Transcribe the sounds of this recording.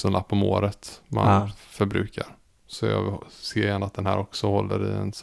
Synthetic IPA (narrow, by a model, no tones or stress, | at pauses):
sɔnapʰːɔmoːɾət̪mannfœɾbɾʉ̟ːkʰaɾ | sɔjɑ̰ːseːɾjɛnːat̪̚d̪ɛnhæːɾʔɔksɔhɔlːəɾɪɛns